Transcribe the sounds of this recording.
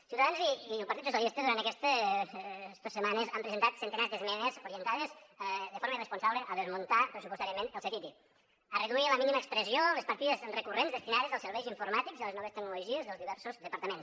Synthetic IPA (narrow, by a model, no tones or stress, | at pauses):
siuwt̪aðanziilˠpɾt̪it̪sus̬jalˠist̪ezðuɾant̪əkɛst̪e | zd̪osemanezampɾezent̪at̪sent̪enazðəzmɛnezuɾiənt̪aðezðəfoɾməirespunsaβləʔəðezmunt̪apɾesupust̪aɾiəmẽnəlˠset̪it̪i | əreðuiləminiməːkspɾəziolespaɾt̪iðezrekurenzðest̪inaðezəlˠsəɾβɛjziɱfuɾmat̪ikziəleznɔβest̪əknuluʒiezðəlˠzðiβɛɾsuzðəpɐɾt̪əmens